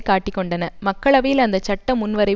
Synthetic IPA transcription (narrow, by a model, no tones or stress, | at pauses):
kaːʈːɪkːɔɳɖɐnɐmɐkːɐɭɐʋɐjɪlɐnd̪ɐt͡ʃɐʈːɐmʊnʋɐɾɐɪ